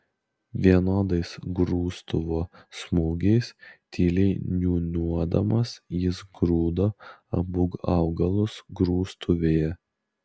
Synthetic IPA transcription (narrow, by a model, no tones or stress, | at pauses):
ʋʲiɛnoːd̪ɐɪsɡɾuːst̪ʊʋoːsmuːɡʲɛɪst̪ʰʲiːlʲɛɪnʲuːnʲuɔd̪ɐmɐsjɪsɡɾuːd̪oːɐbʊɡɐʊɡɐlˠʊsɡɾuːst̪ʰʊʋʲeːjɛ